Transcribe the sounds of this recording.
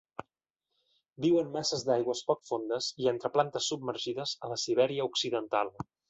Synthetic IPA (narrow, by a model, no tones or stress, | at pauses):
biwənmasəzd̪ajɣwəspɔk̚fond̪əzient̪ɾəplant̪əsːub̚məɾʒiðəzələsiβ̞ɛɾiəuksiðənt̪alˠ